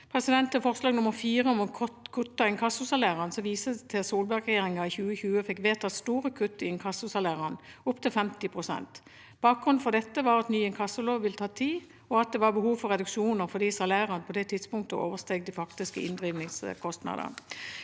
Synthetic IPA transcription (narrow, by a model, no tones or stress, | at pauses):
pʰʁɛsɪd̪ɛnt̪əfɔʁslɑːɡnʊmːəʁfiːʁəɔmɛnkʰɔt̪kʰʉt̪ːɑɪnkʰɑsʊsɑlæːʁənsɔmʋiːsət̪ʰɛsuːlbæɡʁɛjeːʁɪŋɑɪçʉːəçʉːəfɛkːʋeːt̪ʰɑt̪st̪uːʁəkʰʉt̪ːəɪɪnkʰɑsːʊsɑlæːʁɑnʊpt̪ʰɪlfɛmt̪ɪpʰʁʊsɛ̰nt̪ | b̥ɑːk̚ɡ̥ʁʉnn̩fɔʁd̪ɛt̪ːəʋɑɾɑt̪nyːɛnkʰɑsːəloːʋʋɪlət̪ʰɑːt̪ʰiː | ɔɑt̪̚d̪ɛʋɑʁbəhuːʋfɔʁɛd̪ʉkʃuːnəʁfɔd̪iːsɑlæːʁɑnpʰɔd̪ɛt̪ʰɪd̪spʊŋk̚t̪əʔo̰ːʋəʁst̪eːɡd̪ɪfɑkt̪ɪskəɪ̰nd̪ʁiːʋnɪŋskʰɔst̪nɑ̰d̪ə̰ʁ